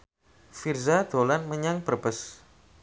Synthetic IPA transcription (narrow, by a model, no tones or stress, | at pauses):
firzad̪̥olanməɲaŋbərb̥əs